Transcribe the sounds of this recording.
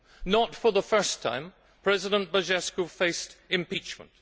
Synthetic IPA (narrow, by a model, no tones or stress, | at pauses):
nətfə˞ðəfɜ˞stʰã̰ɪ̃m | pʰɹ̥ɛzɪɾə̃nb̥əʒɛskofeɪstɨ̃mpit͡ʃmə̰̃nt̚